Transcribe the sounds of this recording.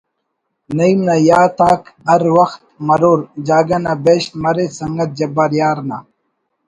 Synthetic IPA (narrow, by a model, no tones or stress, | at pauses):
nɐimnajaːt̪aːkɐɾwɐxt̪̚mɐɾuːɾd͡ʑaːɡɐnabeːɕt̪mɐɾesɐŋɡɐt̪̚d͡ʑɐbɐɾjaːɾna